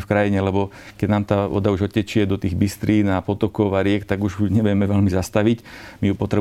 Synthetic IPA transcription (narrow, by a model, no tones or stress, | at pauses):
fkɾajiɲɛlɛbɔ | kɛɟnaːmt̪aːʋɔ̰d̪auʒɔcːɛt͡ʃɪɛd̪ɔt̪iːɣbist̪ɾʔiːnapɔt̪ɔkɔaɾɪɛkt̪aɡuʒuɲɛʋjɛmɛʋɛʎmizast̪aʋicmijupɔt̪ɾɛ